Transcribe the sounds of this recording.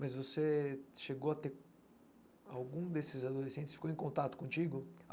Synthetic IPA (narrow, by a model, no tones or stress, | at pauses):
mɐzvoseʃeɡowɐt̪eɾ | awɡũd̪esɪzad̪olesẽnt͡ʃ̪ɪsfikowẽkõnt̪at̪ʊ̥kõt͡ʃiɡʊ